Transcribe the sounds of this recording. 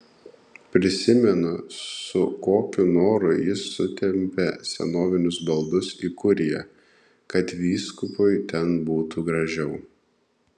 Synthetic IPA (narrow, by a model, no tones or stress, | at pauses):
pʲɾʲɪsʲɪmʲɛnʊsʊkoːkʲʊnoːɾʊjɪsːʊt̪ʲɛmʲpʲɛsʲɛ̰noːʋʲɪnʲʊsbɐlˠd̪ʊsiːkʊɾʲɪjɛ | kɐt̪ʋʲiːskʊpʊɪt̪ʲɛnbuːt̪uːɡɾɐʒʲɛʊ